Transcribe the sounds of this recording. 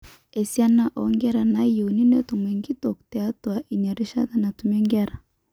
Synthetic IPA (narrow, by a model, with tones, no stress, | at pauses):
e˨sia˦na˦ʔɔ˨ŋɡɛ˦ɾa˨na˦ju˨ni˦nɛ˦t̪u˨mɛ˨ŋɡi˦tɔ˨ktɛ˨a˦twa˨ʔi˨ɲa˨ɾi˦ʃa˦t̪a˦na˨tu˨mɛ˦ŋɡɛ˦ɾa˨